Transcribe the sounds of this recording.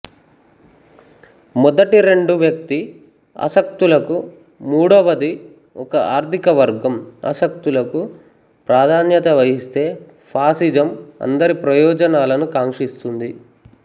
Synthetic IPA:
mɔd̪ɐʈiɾe̞ɳɖuʋjɐk̚t̪i | ɐ̰sɐk̚t̪ulɐku | muːɽɐʋɐd̪i | ɔkɐaːɾt̪ʰikɐʋɐɾɡɐmɐ̰sɐk̚t̪ulɐku | pɾaːd̪ʱaːnjɐt̪ɐʋɐɦist̪e̞ː | pʰaːsid͡ʒɐmɐ̰nd̪ɐɾipɾɐjɔːd͡ʒɐnaːlɐnukaːŋʂist̪und̪i

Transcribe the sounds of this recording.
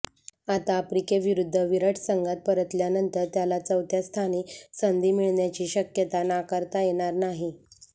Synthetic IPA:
at̪aːpɾikeʋiɾud̪ʱːəʋiɾəʈʰsəŋɡat̪̚pəɾət̪ljanənt̪əɾt̪jalat͡səʋt̪ʰjast̪ʰaniːsənd̪ʱiːmiɭɳjat͡ɕiːɕəkjət̪anakəɾt̪ajeɽ̃aɾnaɦi

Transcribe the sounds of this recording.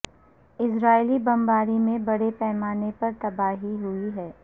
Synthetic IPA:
ɪsɾaːɪlibɐ̃mbaːɾimẽbɐɽepɛːmaːnepɐɾt̪ɐbaːɦiɦʊiɦɛː

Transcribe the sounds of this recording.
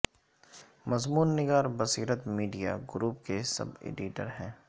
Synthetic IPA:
mɐzmuːnːɪɡaːɾbɐsiːɾət̪miːɖija̰ɡɾuːp̚kesɐ̰bḛːɖiʈə̰ɾɦɛ̃ː

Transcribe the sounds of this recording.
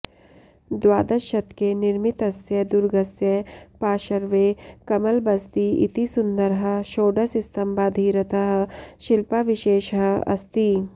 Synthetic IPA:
d̪waːd̪ɐʃɐt̪kenɪɾmit̪ɐsjɐd̪uɾɡɐsjɐpaːʃɐɾʋekɐmɐlbɐst̪iḭt̪isʊnd̪əɾɦɐʃoːɖɐsɪst̪ɐmbaːd̪ʱiːɾɐt̪ɐɦʃɪlpaʋɪʃeːʃɦɐɐ̰st̪i

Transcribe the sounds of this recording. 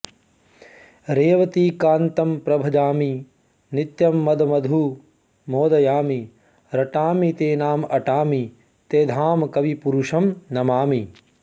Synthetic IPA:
ɾeːʋɐt̪iːkaːnt̪ɐmpɾɐbʱɐd͡ʒaːmi | nit̪jɐmːɐd̪ʱɐmɐd̪ʱu | moːd̪ɐjaːmi | ɾɐʈaːmit̪eːnaːmɐʈaːmi | t̪eːd̪ʱaːmkɐʋipuɾuʂɐmnɐmaːmi

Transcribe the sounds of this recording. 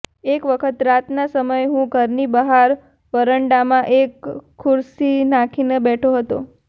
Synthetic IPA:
ekʋəkʰət̪ɾat̪nasəməjɦũɡʱəɾnibəɦaɾ | ʋəɾəɳɖamãʔekʰːuɾsinakʰinebɛʈʰoɦət̪o̰

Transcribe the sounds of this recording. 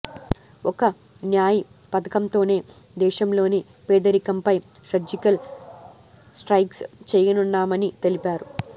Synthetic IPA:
ɔkɐ | njaːji | pɐt̪ɐkɐmt̪o̞ːne̞ː | d̪ɛːʃɐmlo̞ːni | pɛːd̪ɐɾikɐmpɐj | ʃɐd͡ʒikɐl | sʈɾɐjkst͡ʃɛːjɐnunːaːmɐnit̪e̞lipaːɾu

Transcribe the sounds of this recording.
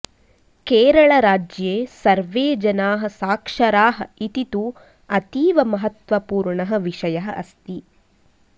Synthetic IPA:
keːɾɐɭɐɾaːd͡ʒjeːsɐɾʋeːd͡ʒɐnaːɦɐ̆saːkʂɐɾaːɦɐit̪it̪u | ɐt̪iːʋɐmɐɦɐt̪ʋɐpuːɾɳɐɦɐʋiʂɐjɐɦɐʔɐst̪i

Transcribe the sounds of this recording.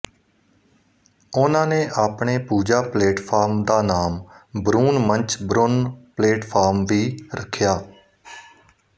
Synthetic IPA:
ʊnãːneːʔaːpɳeːpuːd͡ʒaːpleːʈpʰaːɾmd̪aːnaːmbɾuːnmənt͡ʃbɾʊnpleːʈpʰaːɾmʋiːɾəkʰːjaː

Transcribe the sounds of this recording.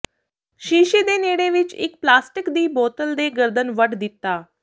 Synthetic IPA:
ʃiːʃid̪eneːɽeʋɪt͡ʃɪ̰k̚plaːsʈɪkd̪iːboːt̪əld̪eːɡəɾd̪ənʋəʈd̪ɪt̪ːaː

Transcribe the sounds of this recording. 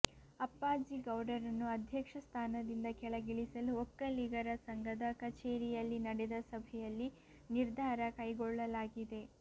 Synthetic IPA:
ɐpːaːd͡ʒiɡɐwɖɐɾɐnːuɐd̪ʱjɐkʂɐst̪ʰaːnɐd̪ind̪ɐkɛɭɐɡiɭisɐluɔkːɐliɡɐɾɐsɐŋɡɐd̪ɐkɐt͡ʃeːɾijɐlːinɐɽed̪ɐsɐbʱɛjɐlːi | niɾd̪ʱaːɾɐkɐjɡɔɭːɐlaːɡid̪e̞

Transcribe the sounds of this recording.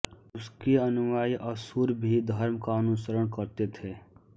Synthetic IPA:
ʊskeɐnʊʋaːiʔɐsuɾbʱid̪ʱɐɾmkaənʊsəɾəɽ̃kəɾt̪et̪ʰeː

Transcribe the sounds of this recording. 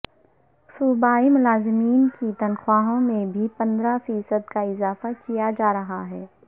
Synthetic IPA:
subaːimʊlaːzɪmiːnkit̪ɐnxwaːɦõmẽbʱipɐ̃nd̪ɾafiːsəd̪kaɪzaːfakijad͡ʒaːɾɐɦaɦɛː

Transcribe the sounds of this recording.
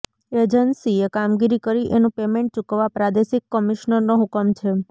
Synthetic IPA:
ed͡ʒənsiekamɡiɾikəɾiʔenũpemẽɳʈ̚t͡ʃukʋapɾad̪eʃikːəmiʃnəɾnoɦukəmt͡ʃʰe

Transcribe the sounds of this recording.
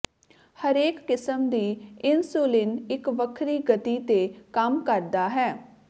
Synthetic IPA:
həɾeːkːɪsəmd̪iːɪnsuːlɪnɪkʋəkʰɾiːɡət̪iːt̪eːkəmkəɾd̪aːɦɛː

